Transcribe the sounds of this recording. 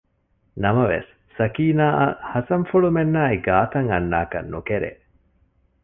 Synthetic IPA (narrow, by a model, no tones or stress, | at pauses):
nɐmɐʋḛsːɐkiːnaːʔɐhɐsɐɱfuɭumenːaːiɡaːt̪ɐŋɐnːa̰ːkɐ̰nːukeɾḛ